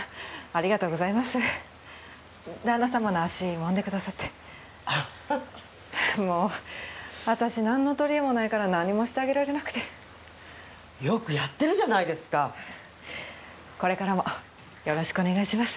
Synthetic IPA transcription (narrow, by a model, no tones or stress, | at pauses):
aɾʲiɡat̪o̞ːɡo̞zaimasɨ | d̪anasamanoaɕimõ̞nd̪e̞kɯ̟d̪asat̪ːe̞̥ | moː | βat̪aɕinãnːo̞t̪o̞ɾʲiemo̞naikaɾanãɲ̟ːimo̞ɕi̥t̪e̞aɡʲe̞ɾaɾe̞nakɯ̟̥t̪e̞ | jo̞kɯ̟jat̪ːe̞ɾɯ̟ʑanaid̪e̞sɨ̥ka | ko̞ɾe̞kaɾamo̞ | jo̞ɾo̞ɕi̥kɯo̞ne̞ɡaiɕimasɨ̥